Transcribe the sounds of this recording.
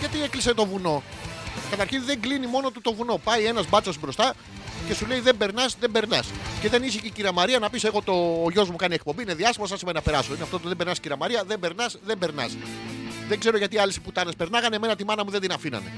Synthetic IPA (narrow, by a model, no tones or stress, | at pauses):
ʝɐt̪iekliset̪o̞vuno̞kɐt̪ɐɾçinðe̞ŋɡlinimo̞no̞t̪ut̪o̞vuno̞pɐie̞nɐzbɐt͡so̞sbɾo̞st̪ɐ | ce̞sule̞iðe̞mbe̞ɾnɐsðe̞be̞ɾnɐsce̞ðe̞niseciciɾɐmɐɾiɐnɐpise̞ɣo̞t̪o̞ʝo̞zmukɐnie̞k̚po̞mbiːne̞ðiɐst̪imɐs̬ɐnsimeninɐpe̞ɾɐsoinɐft̪ot̪uðembe̞ɾnɐsiciɾɐmɐɾiɐðe̞mbe̞ɾnɐsðembe̞ɾnɐ̰s | ðe̞ɡze̞ɾoʝɐt̪iɐlisi̥put̪ɐnespe̞ɾnɐɣɐneme̞nɐt̪imɐnɐmuðed̪inɐfinɐ̰ne̞̰